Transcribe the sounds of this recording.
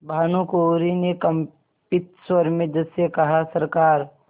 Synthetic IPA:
bʱaːnukoɾinekɐm | pɪt̪̚swəɾmẽd͡ʒəsekɐɦasɐɾkaːɾ

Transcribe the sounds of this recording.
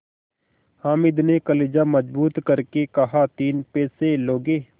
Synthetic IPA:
haːmɪd̪neːkəleːd͡ʒaːməd͡ʒbuːt̪kəɾkeːkəɦaːt̪iːnpeːseːloːɡeː

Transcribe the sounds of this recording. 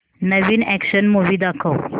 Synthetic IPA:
nəʋiːnɛkɕənmuʋiːd̪akʰəw

